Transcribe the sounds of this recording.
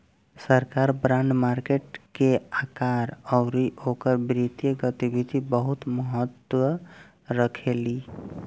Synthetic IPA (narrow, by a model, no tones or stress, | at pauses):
səɾkaɾbɾãɳɖmaɾkeʈkeakaɾɔʊɾiʔokəɾbɾit̪jeɡət̪ibʱid̪ʱibəɦut̪məɦət̪wə | ɾəkʰeli